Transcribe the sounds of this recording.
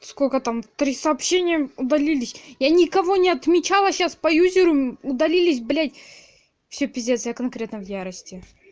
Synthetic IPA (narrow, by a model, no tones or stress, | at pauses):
skolʲkət̪amt̪ɾʲisɐːpɕːenʲɪjəʊd̪ɐlʲilʲɪsʲjanʲɪkɐvo̞nʲɪɐt̪mʲɪt͡ɕalˠəɕaspɐjuzʲɪɾʊʊd̪ɐlʲilʲɪsʲblʲætʲ | fsʲɵpʲɪzʲet̪səjəkɐnkɾʲe̞t̪nəvjaɾəsʲtʲɪ